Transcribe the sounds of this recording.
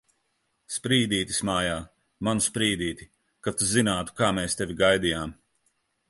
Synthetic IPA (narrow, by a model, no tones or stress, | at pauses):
spɾiːd̪iːt̪ʲismaːjaː | manuspɾiːd̪iːt̪ʲi | kat̪uzinaːt̪u̥kaːmeːst̪evʲiɡajd̪ijaːm